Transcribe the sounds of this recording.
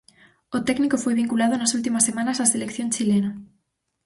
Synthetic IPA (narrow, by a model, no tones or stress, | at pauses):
ot̪ɛknikofojβiŋkulað̞onasult̪̬imasːemãnasaselekθjont͡ʃilena